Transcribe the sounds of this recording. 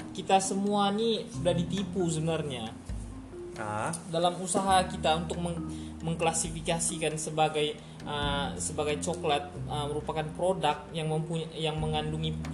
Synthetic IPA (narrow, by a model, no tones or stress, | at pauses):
kit̪asəmuanisudahdit̪ipusəbəənarɲa | ka̰dalamusaɦakit̪aunt̪ʊk̚məməŋklasifikasikansəbaɡaj | ʔəsəbaɡajt͡ʃoklat̪̚əməɾupakanpɾodak̪̚jaŋməmpuɲjaŋməŋanduŋi